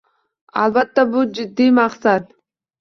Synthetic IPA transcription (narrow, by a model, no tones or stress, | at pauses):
ɑlˠbat̪ːabud͡ʒɪd̪ːimɑqsat̪̚